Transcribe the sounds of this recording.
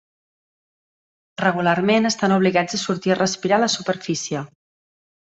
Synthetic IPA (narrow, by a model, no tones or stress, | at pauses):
rəɣ̞ularmenəst̪anuβliɣad͡zəsuɾt̪iərəspiɾaləsupəɾfisiə